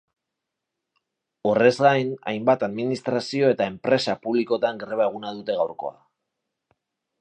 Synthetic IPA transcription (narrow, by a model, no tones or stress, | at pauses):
o̞re̞zɡajna̰jmbat̪aðminist̪ɾasio̞e̞t̪ae̞mpɾe̞sapuβliko̞t̪aŋɡɾeβ̞ae̞ɣ̞unaðut̪e̞ɣawɾko̞̰a̰